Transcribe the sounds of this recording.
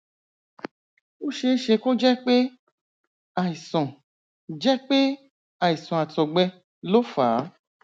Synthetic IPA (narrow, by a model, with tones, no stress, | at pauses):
o˦ʃe˧˦ʃe˧ko˦d͡ʒɛ˦k͡pe˦ | a˨i˨sɔ̃˨ | d͡ʒɛ˦k͡pe˦ | a˨i˨sɔ̃˨a˨tɔ˨ɡ͡bɛ˧ | lo˦faː˨˦